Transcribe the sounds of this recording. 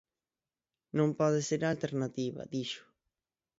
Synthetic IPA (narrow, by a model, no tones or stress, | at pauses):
nõmpɔðɪseɾalt̪eɾnat̪iβɐ̰a̰d̪iʃʊ̥